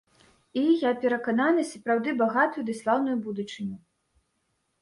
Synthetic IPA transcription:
ijapʲɛɾɐkananɨsɐpɾawd̪ɨbaɣat̪ujud̪ɨslˠawnujubud̪ut͡ʂɨnʲu

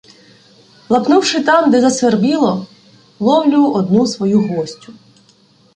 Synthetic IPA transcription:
lˠɐpnuwʃɪt̪ɑmd̪ɛzɐsʋerbilˠɔ | lˠɔwlʲʊʔɔd̪nusʋɔjuɦɔsʲtʲʊ

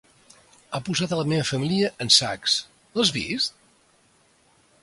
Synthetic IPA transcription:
apuzat̪ələmeβəfəmiliəʔənsaks | əzβḭst̪̚

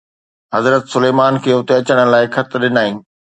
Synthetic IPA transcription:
ɦɐzɾət̪sʊleːmaːnkʰeːʊt̪eɐt͡ɕəɽ̃əlaːɪxʰɐt̪ʰɗɪnaːĩː

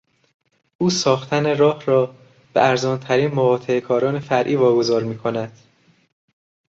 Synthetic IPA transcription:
ʔuːsɒːxt̪ʰæneɾɒːhɾɒː | b̥ḛʔæɾzɒːnt̪ʰæɾiːnmovɒːt̪ʰeekʰɒːɾɒːne̞fæɾʔiːvɒːɡo̞zɒːɾmiːkʰo̞næd̪̥

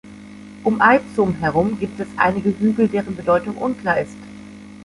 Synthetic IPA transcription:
ʔʊmʔaɪfzʊmɦɛʁ̞ʊmɡiːp̚tɛsʔa̰ɪnɪɡəɦyːɡl̩deːʁ̞ənbədɔʏtʊŋʔʊnkl̥aːɐɪst

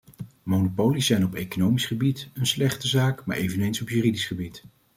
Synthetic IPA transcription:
monopowlisɛjnɔpejkonowmisχəbitənslɛχtəzaːkma̰ːɹʔejvənejnsɔpjyːridisχəbit

